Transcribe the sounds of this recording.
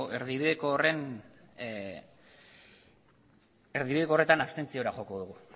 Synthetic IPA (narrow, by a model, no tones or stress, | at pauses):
e̞ɾðiβiðe̞koːre̞n | e̞ɾðiβið̞e̞kore̞t̪anaβst̪e̞nt͡sio̞ɾaxo̞ko̞ðuɣu